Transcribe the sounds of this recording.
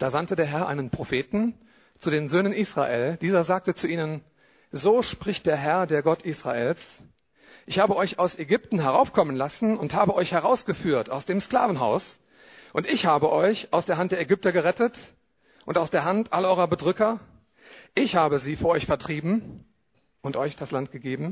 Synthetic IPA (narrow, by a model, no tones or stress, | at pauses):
d̥aːzantədeːɐɦɛɐʔa̰ɪnənpʁ̥ofeːtn̩ | t͡sudeːnzøːnənʔiːsʁ̥a̰ʔḛːld̥iːzɐzaːk̚tət͡suʔiːnən | zoːʃpʁ̥ɪçt̚d̥eːɐɦɛɐdeːɐɡɔtʔiːsʁ̥a̰ʔeːls | ʔɪçhaːbəɔʏçaʊsɛɡʏp̚tn̩ɦɛʁ̞aʊfkʰɔmənlasn̩ʊnthaːbəʔɔʏçhɛʁaʊsɡ̥əfyːɐta̰ʊsd̥eːmskla̰ːvn̩ɦa̰ʊs | ʔʊntɪçhaːbəʔɔʏçʔaʊsd̥eːɐɦant̚deɐɛɡʏp̚tɐɡəʁɛtət | ʔʊntaʊsd̥eːɐɦantʔalɐʔɔʏʁɐbədʁʏkɐ | ʔɪçhaːbəziːfyɐɔʏçfɛɐtʁ̥iːbm̩ | ʔʊntʔɔʏçd̥aslant̚ɡ̥əɡeːbm̩